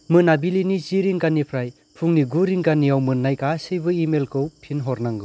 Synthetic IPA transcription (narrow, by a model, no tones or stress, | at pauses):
mɯnabilinit͡ʃiɾiŋkanipʰɾaj | pʰuŋniɡuɾiŋkanijawmɯnːajkasɯjbɯimelkʰɯwpʰinɦɔɾnaŋɡɯ